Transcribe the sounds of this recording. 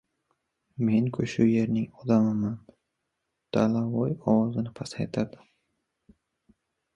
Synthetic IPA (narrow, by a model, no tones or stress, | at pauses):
me̞nkʰɵʃʊje̞ɾnɪŋɒd̪amɪman | d̪̥ʰalavɒjɒwɒzɪnɪpʰasajt̪ʰad̪ɪ